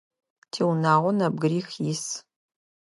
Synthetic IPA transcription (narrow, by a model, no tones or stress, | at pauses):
tʰeːwnaːʁʷɔnɐb̚ɡɨɾiːxjis